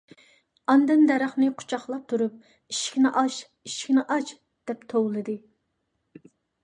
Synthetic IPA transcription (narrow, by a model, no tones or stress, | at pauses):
ɑnd̪ɨnd̪ɛɾɑχnɨqʰu̥t͡ʃʰɑχlˠɑp̚t̪ʰuɾup̚ | iʃkʲinɪʔɑʃ | iʃkʲnɪʔɑt͡ʃ | d̪̥ɛpt̪ʰowlˠɨd̪ɨ